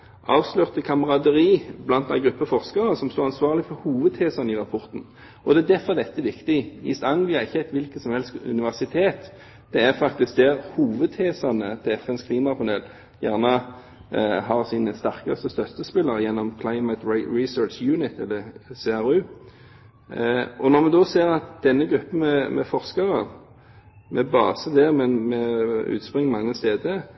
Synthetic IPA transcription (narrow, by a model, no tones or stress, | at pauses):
ʔɑːʋslœʁt̪əkʰɑməʁɑd̪əʁiːblɑnt̪næɪɡʁʉpːəfɔʁskəʁəsɔmst̪oːʁɑnsʋɑːʁlɪfɔɾhuːʋəd̪̚hʰeːsəʁnəɪʁɑpʰɔʁt̪n̩ | ɔd̪ɛæd̪æfɔʁd̪ɛt̪ːəʋɪkt̪ɪɪ̰sɑŋlɪɑɪçːəæɪt̪ʋɪlkəsɔmhɛlskʉ̰nɪʋæʁsɪt̪ʰeːt̪ | d̪̥ɛæʁfɑk̚t̪ɪsk̚d̪ɛʁhuːʋəd̪̚t̪ʰeːsɑʁnət̪ʰɪɛfɛnskʰliːmɑpʰɑneːl | jæːʁnə | ɦɑʁsinəst̪ɑʁkɑst̪əst̪œt̪ːəspɪlːəʁəjɛnːɔmkʰlɑɪmət̪ɹisøːt͡ʃjʉːnɪt̪ɛlːəseːɑʁʉː | ʔɔnɔʁmɛd̪ɔseːʁɑt̪d̪̥ɛnːəɡɾʁʉpːən̩mɛmɛ̰fɔʁskɑʁə | mʔɛbɑ̰ːsəd̪ɛʁmɛnmɛʉ̰ːt̪spʁɪŋːmɑŋːəst̪eːd̪ə